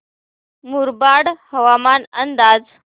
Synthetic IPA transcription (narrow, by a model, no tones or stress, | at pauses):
muɾbaɽhəʋamanənd̪ad͡z